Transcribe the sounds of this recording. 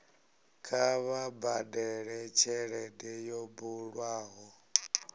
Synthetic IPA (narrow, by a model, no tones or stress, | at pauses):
kʰaβabadɛɺɛt͡ʃʰɛɺɛdɛjɔbuɺwaːɦɔ